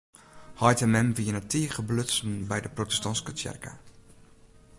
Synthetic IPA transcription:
hɔjtəmɛmvijənatʰiːəχəbløsn̩bɛjdəprotɛstɔnskət͡ʃɛ̰rka̰

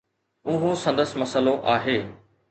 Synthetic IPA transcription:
ʊɦõsɐ̃nd̪əsmɐsəloʔaːɦeː

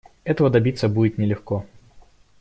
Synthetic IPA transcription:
ɛt̪əvəd̪ɐbʲit̪sːəbudʲɪt̪nʲɪlʲɪxko

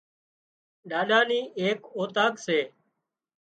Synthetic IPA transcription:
ɗaːɗaːniːʔeːkoːt̪aːkseː

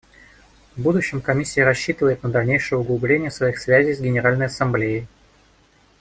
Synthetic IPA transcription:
vbud̪ʊɕːɪmkɐmʲisʲːɪjəɾɐɕːit̪ɨvəjɪt̪̚nəd̪ɐlʲnʲejʂɨjəʊɡlˠʊblʲenʲɪjəsvɐixsvʲæzʲɪjzɡʲɪnʲɪɾalʲnəjɐsɐmblʲejɪj

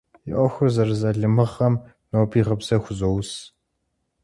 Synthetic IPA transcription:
jɪʔʷɔxʷʊrzɐrzɐɮɨmɨʁɐm | noːbiːʁɐbzɐxʷʊzows

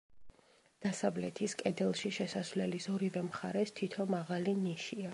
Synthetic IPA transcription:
d̪̥asavlɛt̪ʰiskʼɛd̪ɛlˠʃiʃɛsasvlɛlisɔɾivɛmχa̰ɾɛst̪ʰit̪ʰɔmaʁaliniʃia

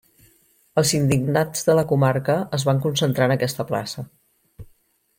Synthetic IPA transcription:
əlˠzind̪iɡnad͡zðələkumaɾkəəzβaŋkunsənt̪ɾanəkɛst̪əpla̰sə

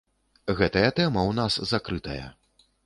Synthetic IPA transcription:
ɣɛt̪ɐjɐt̪ɛmɐwnaszakɾɨt̪ɐ̰jɐ̰

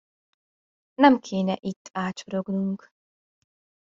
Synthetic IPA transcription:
nɛmkʰeːnʲɛʔit̪ʰʼːaːt͡ʃʰɔɾɔɡnuŋk

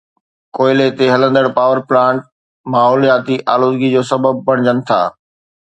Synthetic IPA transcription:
koːɪlet̪eɦɐlə̃nd̪əɽpaːʋəɾplãːɳʈ̚ | maːɦɔːlijaːt̪iʔaːloːd̪ɡid͡ʑoːsɐbəb̚bɐɽ̃d͡ʑənɪ̆t̪ʰa̰ː

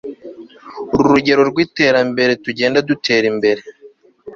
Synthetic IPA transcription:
uɾuɾuɟe̞ɾo̞ɾɡwiːte̞ːɾambe̞ɾe̞tuɟeːndadutʰe̞ːɾimbe̞ɾe̞

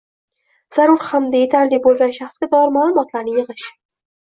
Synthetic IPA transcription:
z̥aɾʊɾhamd̪aje̞t̪ʰaɾlibolˠɡʲanʃaχsɡʲad̪ɒɾmalˠʊmɒt̪ʰlaɾnɪjɨʁɨʃ

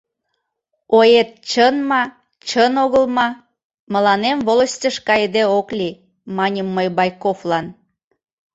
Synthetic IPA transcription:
ojet̪̚t͡ɕənmɑ | t͡ɕənoɣəlmɑ | mə̆lɑnemvoləsʲtʲəʃkɑjd̪eoklʲi | mɑnʲəmːəjbɑjkoflɑn

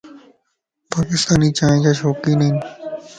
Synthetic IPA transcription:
paːkɪst̪aːnit͡ʃaːẽkaʃoːkinɐin

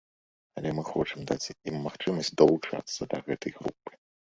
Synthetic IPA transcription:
ɐlʲɛmɨxɔt͡ʂɨmd̪at͡sʲimːaxt͡ʂɨmɐsʲt͡sʲd̪ɐlˠut͡ʂa̰t̪sːɐd̪ɐɣɛt̪ɐjɣɾṵpːɨ̥

